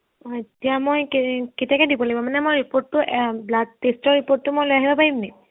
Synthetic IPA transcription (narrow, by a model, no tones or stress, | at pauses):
etijamojkketiakɛdipɔlabɔmanɛmojɹipotːʊʔblaɡ̚testɔɹipotːʊmojlojaɦibapaɹimnɛ